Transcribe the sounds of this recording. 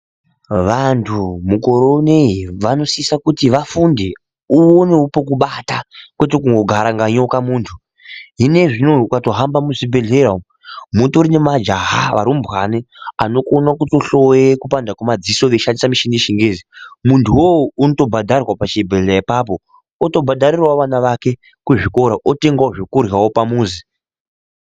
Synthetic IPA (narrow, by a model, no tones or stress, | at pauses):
ʋantʰumukoɾoneiʋano̞siisakutiʋafunde | uoneupo̞kuɓatakwe̞te̞kuŋɡo̞ɡʱaɾaŋɡaɲo̞kamuːntʰu | ɦine̞ʐinoukato̞ɦambamuʐibʱe̞ɮeɾao | muntuɾine̞mad͡ʒaɦaʋa̰ɾumbwania̰no̞konakutoɬowekupandakumad͡zisoʋeʃandisamiʃiniʃiŋɡezimuntʰuwounoto̞bʱadʱarirwapat͡ʃibʱeɮaipap̬o̞ | oto̞bʱadʱaɾirwaoʋanaʋake̞ | kuʐiko̞ɾaʔote̞ŋɡwaoʐekurjawopamuːzi